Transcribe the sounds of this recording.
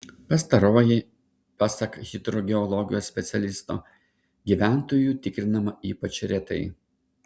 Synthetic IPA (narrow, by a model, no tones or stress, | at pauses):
pɐst̪ɐɾoːjɪ | pɑsɐkɣʲɪt̪ɾɔɡʲɛɔlˠɔɡʲɪjoːsʲsʲpʲɛt̪sʲɛlʲɪst̪o̰ː | ɡʲiːʋʲæˑnt̪oːjuːt̪ʲɪkɾʲɪnɐmɐiːpɐt͡ʃʲɾʲɛt̪ɐɪ